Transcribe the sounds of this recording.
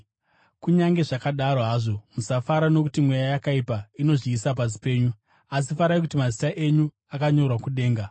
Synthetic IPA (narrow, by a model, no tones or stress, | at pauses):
kuɲaŋɡe̞ʐakaɗaɾoɦaːʐo̞musafaɾano̞kutimwe̞jajakaipaino̞ʐiːsap̬as̬i̥pe̞ːɲu | as̬ifaɾajkutimazitaʔe̞ɲu | akaɲo̞rwakuɗe̞ːŋɡa